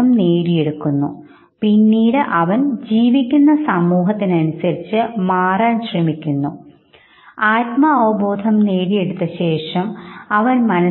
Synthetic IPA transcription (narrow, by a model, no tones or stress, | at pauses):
ɐmneːɾije̞ɽukːunːṵ | pinːiːɽɨʔɐʋɐnd͡ʑiːʋikʲːunːɐsɐmːuːɦɐt̪ːinɐnusɐɾit͡ɕːɨmaːraːnɕremikʲːunːu | aːtmɐːɐʋɐboːd̪ʱɐmne̞ːɽije̞ɽut̪ːɐɕe̞ːʂɐmɐʋɐnmɐnɐ